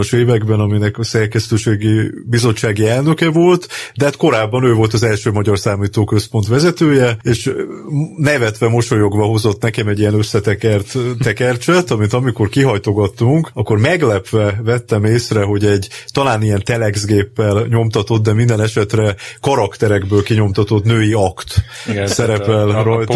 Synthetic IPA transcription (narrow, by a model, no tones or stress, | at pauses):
oʃeːvɛɡbɛnɒminɛkɒsɛrkɛst̪øːʃeːɡibizo̞t͡ʃːaːɡiɛlnø̞kɛvo̞lt̪d̪ɛat̪ko̞ɾaːbːɒnøːvo̞lt̪ɒzɛlʃøːmɒɟɒrsaːmiːt̪oːkø̞spo̞n̪t̪ʋɛzɛt̪øːjɛeːʃ | nɛvɛt̪ʋɛmo̞ʃo̞jo̞ɡbɒɦo̞zo̞t̪nɛkɛmɛɟːijɛnø̞sːɛt̪ɛkɛrt̪t̪ːɛkɛrt͡ʃɛt̪ɒmint̪ɒmiko̞rkiɦɒjt̪o̞ɡɒt̪ːuŋkɒkːo̞rmɛɡlɛpʋɛvɛt̪ːɛmeːsrɛɦo̞ɟɛɟt̪ɒlaːnijɛnt̪ɛlɛɡzɡeːpːɛlɲo̞mt̪ɒt̪o̞t̪̚d̪ɛmind̪ɛnɛʃɛt̪rɛkɒɾɒkt̪ɛɾɛɡbøːlkiɲo̞mt̪ɒt̪o̞t̪nøːjiɒkt̪sɛɾɛpɛlrɒjt̪